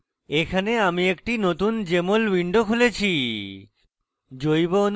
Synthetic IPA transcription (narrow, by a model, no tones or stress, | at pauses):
ekʰaneamiek̚ʈinot̪und͡ʑemolwiɳɖokʰulet͡ɕʰi | d͡ʑojbon